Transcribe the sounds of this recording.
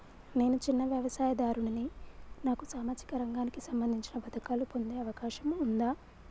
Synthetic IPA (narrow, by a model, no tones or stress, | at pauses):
ne̞ːnut͡ʃinːɐʋjɐʋɐsaːjɐd̪aːɾuɳɐninaːkusaːmaːd͡ʒikɐɾɐŋɡaːnikisɐmbɐnd̪ʱiɲt͡ʃinɐpɐd̪ɐkaːlupo̞nd̪eːɐʋɐkaːʃɐmund̪aː